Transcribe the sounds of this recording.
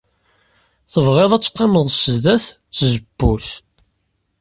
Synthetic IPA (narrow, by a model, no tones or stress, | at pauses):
θəvʁeðˤæt͡sːqːeməðˤsəzðæθ | t͡sːzəb̥ːuθ